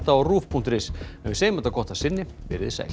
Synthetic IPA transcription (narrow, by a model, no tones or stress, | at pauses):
t̪aɔruːfpʰunt̪ɾɪsɛvɪseːjmɛt̪akʰɔht̪ḁsɪnːɪvɪ̰ɾɪðɪsa̰j